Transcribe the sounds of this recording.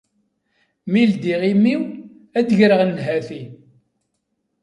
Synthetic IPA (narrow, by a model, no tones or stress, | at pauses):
mild̪iʁimːiw | æd̪əʝɾəʁnːɦæθi